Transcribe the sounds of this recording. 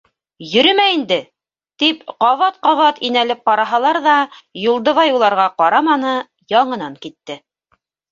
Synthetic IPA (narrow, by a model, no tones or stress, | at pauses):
jɵ̆ɾɘmæind̪ɘ | t̪ipqɑvɑt̪̚qɑvɑt̪inælɘp̚qɑɾɑɦɑlˠɑɾðɑjulˠd̪ɤ̆vɑjulˠɑɾʁɑqɑɾɑmɑnɤ | jɑɴɤ̆nɑŋkit̪ːɘ